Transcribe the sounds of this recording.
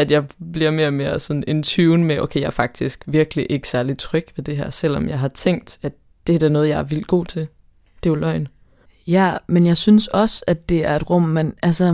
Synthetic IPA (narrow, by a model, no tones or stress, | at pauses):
æd̥jɑ̈ɪb̥liɐ̰me̝ːɐɒme̝ːɐsɒ̽nent͡sʰyʊnmeʔo̰ʊkʰejɑ̈æɐfɑ̈ɡ̥̚d̥isɡ̥ʋiɐɡ̥liʔe̝ɡ̥ə̥sæɐlid̥̚t͡sʰʁœɡ̥ʋe̝d̥e̝ɦæɐ̰sel̰ɒ̽mjɑ̈ɪɦɑ̈t͡sʰeŋ̰d̥æd̥ | d̥e̝æd̥æɐnɔ̽ːð̩ˠjɑ̈ɪɐʋilɡ̥o̝̰ːt͡sʰe̝ | d̥e̝jolɒɪn | jæmenjɑ̈ɪsynsɒ̽sæd̥ːe̝æɐe̝d̥ʁɔm̰menælsɐ